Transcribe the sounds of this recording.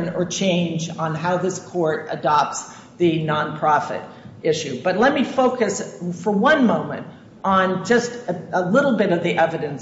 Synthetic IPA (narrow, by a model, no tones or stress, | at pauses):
nə˞t͡ʃʰẽɪ̃nd͡ʒn̩ɦaʊðɪskʰɔɹɾɨ̰dɑp̚ts | ðɨnɑ̃npʰɹ̥ɑfɨ̰ɾ | ɪʃʉb̥ʌtˡlɛt̚mifoʊkɨsfə˞wʌ̃nmõʊ̃mɨ̰̃nt | n̩d͡ʒʌstɨəlɪɾl̩ˠbɪɾʌvðiʔɛvɨɾɨ̃ns